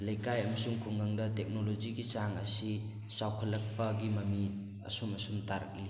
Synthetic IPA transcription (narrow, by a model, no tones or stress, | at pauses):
lɐjkajɐmɐsuŋkʰuŋɡaŋdɐtek̚nolod͡ʒiɡit͡ʃaŋɐsi | sawkʰɐlɐk̚pɐɡimɐmi | ɐ̰sumɐsumtaɾɐ̰k̚li